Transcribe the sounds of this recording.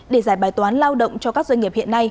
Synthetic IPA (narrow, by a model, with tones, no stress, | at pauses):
ɗe˧˩zaː˧˩jɓaː˧˩jt̪waː˨˦nlaː˧wɗə̰˧˨wŋ͡mt͡ɕɔ˧kaː˦˥k̚zə˧nŋi˨˩əp̚hḭ˧˨ənːa˧j